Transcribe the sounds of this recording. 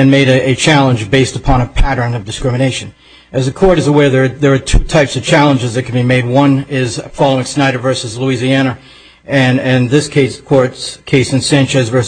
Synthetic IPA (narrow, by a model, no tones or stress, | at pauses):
ɨ̃nmeɪɾɨɨt͡ʃʰælˠə̃nd͡ʒbeɪstəpʰɑ̃ñəpʰæɾə̃˞nʌvdɨskɹɪmɨneɪʃɨ̃n | ʔɨzɨkʰɔɹɾɨzəwɛɹðə˞ðə˞ːtʰutʰaɪpsʌv̥t͡ʃʰælˠə̃nd͡ʒɨzðɨt̚kʰn̩bimeɪd̚wʌ̃nɪz̥fɑlˠoʊɪ̃ŋsnaɪɾə˞vɜ˞sɨzluiziænɨ | ɨ̃nɨ̃nðɪskʰeɪskʰɔɹtskʰeɪsɨ̃nsæ̃ɪ̃nt͡ʃɨzvɜ˞s